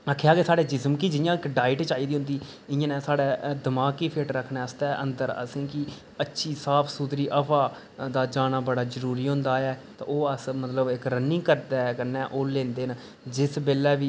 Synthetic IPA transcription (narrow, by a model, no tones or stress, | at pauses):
akʰːejaːɡeːsaːɽeːd͡ʒɪsəmkiːd͡ʒɪjãːɪkɖaːɪʈt͡ʃaːiːd̪iːɦʊ̃nd̪iː | ɪjãːnɛ̃ːsaːɽɛːd̪əmaːkːiːpʰeːʈɾəkʰːnɛːəst̪ɛːʔə̰̃nd̪əɾə̰sĩːki | ətːʃʰiːsaːpʰsuːd̪ɾiːʔəpʰaː | d̪aːd͡ʒaːnaːbəɽaːzəɾuːɾiːɦʊ̃ːnd̪aːɛːt̪ã̰ːʔoːəsmət̪ləbɪkɾənːɪ̃ŋɡkəɾd̪ɛːkənɛ̃ːʔoːlẽːnd̪eːn | d͡ʒɪsbeːlɛːʋiː